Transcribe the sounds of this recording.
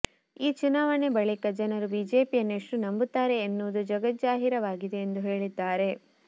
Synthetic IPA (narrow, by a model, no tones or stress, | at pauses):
iːt͡ʃunaːʋɐne̞bɐɭikɐd͡ʒɐnɐɾubiːd͡ʒe̞ːpijɐnːeʂʈunɐmbut̪ːaːɾe̞ːnːuːd̪ud͡ʒɐɡɐt̪̚d͡ʒaːɦiɾɐʋaːɡid̪e̞ːnd̪uɦe̞ːɭid̪ːaːɾe̞